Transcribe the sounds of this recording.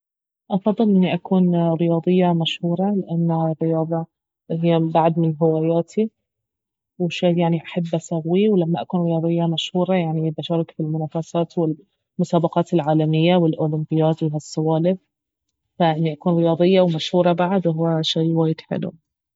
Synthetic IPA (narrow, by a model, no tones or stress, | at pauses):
ʔɑfɑd̪ˤːɨlʔɪnːiʔakuːnɾɪjɑːd̪ˤɨjːamaʃhuːɾˤɑlɪʔanːarːɪjɑːðˤɑ | ɦɪjːabaʕd̪mɪnɦɪwaːjaːt̪ʰi | wɪʃaːjaʕniʔaħabːasaɣwːiwlamːaʔakuːnɾɪjɑːd̪ˤɨjːamaʃhuːɾˤɑjaʕnib̪aʃaːɾɪkfilmʊnaːfasaːt̪wɪl | mʊsaːbɑqɑːt̪ɪlʕaːlamɪjːawɪlʔoːlɪmbɪjaːt̪wɪɦasːawaːlɪf | faʔɪnːiʔakuːnɾɪjɑːd̪ˤɨjːawmaʃhuːɾˤɑbaʕd̪whʊwːaʃaːwaːjɪd̪ħɪ̰lṵ